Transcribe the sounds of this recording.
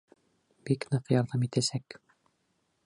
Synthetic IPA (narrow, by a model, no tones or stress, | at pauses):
b̥iknɤqjɑɾðɑmit̪æsæk